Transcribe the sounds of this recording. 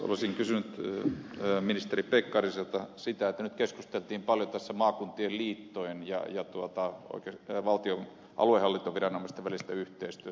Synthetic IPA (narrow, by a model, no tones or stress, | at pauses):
o̰lesiŋkysynyt̪ː | minist̪eripekːɑriselt̪ɑsit̪æet̪ːænyt̪keskust̪elt̪iːmpɑljot̪æsːæmɑːkunt̪ielliːt̪ːoenjɑ̰jɑt̪uot̪ɑo̰ikeʋɑlt̪io | ʔɑ̰luehɑlːint̪oʋirɑnomɑˑist̪eʋælist̪æyht̪eist̪yøt̪æ